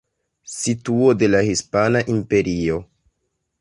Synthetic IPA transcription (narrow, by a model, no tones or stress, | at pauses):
situo̞de̞lahispanaʔimpe̞ɾio̞